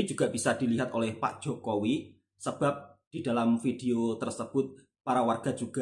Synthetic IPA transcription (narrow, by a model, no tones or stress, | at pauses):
id͡ʒuɡ̥aʔb̥isad̪̥iliɦat̪olɛhpa̰ʔd̥ʒ̥okowi | səb̥ap̚d̪̥id̥a̤lamfideot̪ərsəb̥ʊt̪̚ | paɾawarɡ̥ad͡ʒuɡ̥a